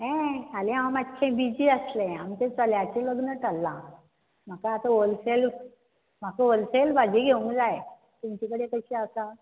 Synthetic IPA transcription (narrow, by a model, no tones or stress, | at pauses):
ɦɛ̃alẽaãmat̪kʰẽbid͡ʑiːəslẽamt̪ẽt͡səljat͡ɕeləɡnəʈalːã̰ | m̤akaːt̪aolself | m̤akəolselbad͡ʑiɡʱeũŋɡd͡zae | t̪umt͡ɕikəɽekəɕiasa